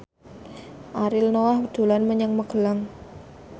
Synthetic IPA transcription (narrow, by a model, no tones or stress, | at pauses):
ʔaɾɪlnowahwəd̥o̤lanməɲəŋməɡ̥ə̤laŋ